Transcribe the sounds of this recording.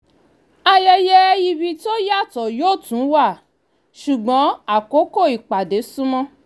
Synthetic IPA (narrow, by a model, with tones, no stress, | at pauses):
a˧jɛ˧jɛ˦i˧bi˧to˦ja˦˨tɔ˨joː˦˨tũ˨˦wa˦˨ | ʃu˨ɡ͡bɔ̃˨˦a˨ko˨˦ko˦˨i˨k͡pa˨de˨˦sũ˦mɔ̃˦